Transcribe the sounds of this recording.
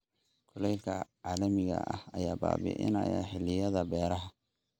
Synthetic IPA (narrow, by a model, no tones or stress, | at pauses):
kʰʊlɛjkʰɐʕaːlɐmɪɣɐ̰ʔɐhɐjaːba̰ːbḭʔɪ̰nɐjaħɪlːɪjɐðɐbɛːɾɐɦɐ